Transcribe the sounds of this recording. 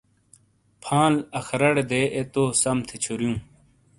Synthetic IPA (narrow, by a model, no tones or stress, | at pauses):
pʰãːlɐxʰɐɾɐɽed̪eːʔet̪oːsɐmt̪ʰet͡ɕʰuɾjũː